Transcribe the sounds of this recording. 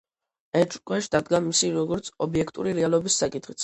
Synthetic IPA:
ɛt͡ʃʼkʼwɛʃd̪ad̪ɡamisiɾɔɡɔɾt̪sʰɔbiɛkʰt̪ʼṵɾiɾɛalˠɔbisːakʼit̪ʰχit̪sʰ

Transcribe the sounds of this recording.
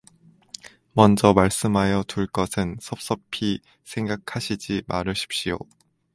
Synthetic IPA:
mʌnd͡ʑʌmaɭs͈ɯmɦajʌtuɭk͈ʌsʰɯnsʰʌp̚s͈ʌpʰi | sʰe̞ŋɡakʰaɕʰid͡ʑimaɾɯɭɕʰi̥p̚ɕ͈ijo̰

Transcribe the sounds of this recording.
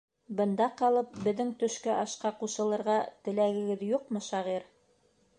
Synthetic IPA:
bɤ̆nd̪ɑqɑlˠɤp̚bɘ̆ðːɘŋt̪ɵ̆ʃkɘʔɑʃqɑquʃɤ̆lˠɤ̆ɾʁɑt̪ɘ̆læɡɘ̆ɡɘðjuqmɤʃɑʁiɾ

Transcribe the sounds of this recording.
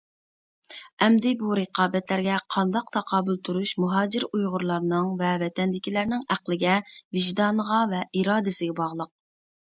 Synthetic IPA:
ɛmd̪ɪbuɾɨqʰɑːbɛt̪læɾɡʲɛqʰɑnd̪ɑq̚t̪ʰɑqʰɑːbɨlˠt̪ʰuɾuʃmuɦɑːd͡ʒɪɾujʁʊɾlˠɑɾnɨŋvɛvɛt̪ʰɛnd̪ɪkʲilæɾnɪŋæqlˠɪɡʲɛvɪʒd̪ɑːnəʁɑvɛʔiɾɑːd̪ɪsɪɡʲɛbɑʁlˠəq̚

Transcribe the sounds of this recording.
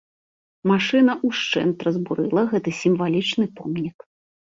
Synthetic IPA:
maʂɨnɐʔuʂt͡ʂɛ̰nt̪ɾɐzbuɾɨlˠɐɣɛt̪ɨsʲimvalʲit͡ʂnɨpɔmnʲik

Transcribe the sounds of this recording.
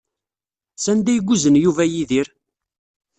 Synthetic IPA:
sænd̪æjɡʷːuzənjuvæjiðiɾ

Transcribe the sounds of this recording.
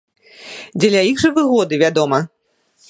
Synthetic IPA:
d͡zʲɛlʲɐiɣʐɨvɨɣɔd̪ɨvʲad̪ɔmɐ

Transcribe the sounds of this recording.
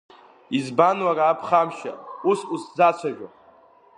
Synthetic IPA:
izbanwaraːpʰχamʃa̰usʼusd͡zat͡ʃʷʰaʒᶣa

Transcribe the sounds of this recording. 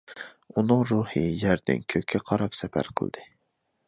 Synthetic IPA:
unɨŋɾuhɨjæɾd̪ɪ̰nkʲʰøpʲkʲʰːɛqʰɑɾɑpsɛpæ̰ɾqʰə̰lˠd̪ɨ

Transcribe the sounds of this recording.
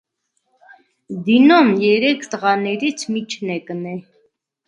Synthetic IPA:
d̪inumjɛɾɛkʰt̪əʁɑnɛɾit͡sʰmit͡ʃʰnɛkənɛ

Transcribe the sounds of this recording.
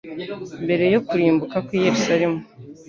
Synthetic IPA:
mbe̞ɾe̞jo̞kuɾiːmbukakwije̞ɾusaɾe̞mu

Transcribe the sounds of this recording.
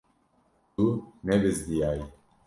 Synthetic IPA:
unɛbɪzd̪ijaːji

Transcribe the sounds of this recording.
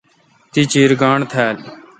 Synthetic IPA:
t̪it͡ʃiːɾɡaːɳt̪ʰɛːl

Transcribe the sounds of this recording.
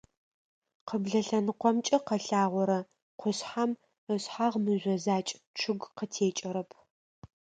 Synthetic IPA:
qəbɮɐɬɐnɨqʷɔmt͡ʃʼɐqɐɬaːʁʷɔɾɐ | qʷʊɕħam | əɕħaʁmɨʑʷɔzaːt͡ʃʼʈ͡ʂʰɨɡqətʰeːt͡ʃʼɐɾɐpʰ

